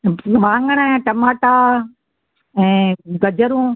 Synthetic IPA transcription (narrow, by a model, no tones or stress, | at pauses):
ʋãːŋɡəɽ̃ãːʈɐmaːʈa | ɛ̃ːɡɐd͡ʑəɾũː